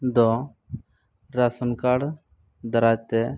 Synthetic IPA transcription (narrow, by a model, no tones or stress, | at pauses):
d̪ɔ | ɾasənkaɽ | d̪əɾaːt̪ɛ